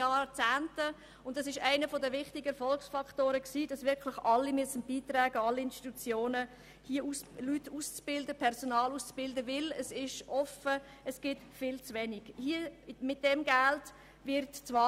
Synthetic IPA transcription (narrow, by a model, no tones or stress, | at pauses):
ɑːt͡sæːntə | ʊntdɑsɪʃæɪnəfɔdəvɪχtɪɡəfɔlksfɑkʰtoːɾəksiːdɑsvɪɾkʰlɪχʔɑlːimyəsːənb̥iːtɾæːɡəɑlːiɪnʃti̥t̪ut͡sjoːnə | hiəuslytuːst͡sb̥ɪldəpʰɛɾsɔnɑːluːst͡sb̥ɪldəvɪləsɪʃʔɔfə | əsɡ̥ɪtfɪːlt͡sʋɛniɡ̥hiəmɪt̚d̥ɛmɡælt | vɪɾtt͡sʋɑː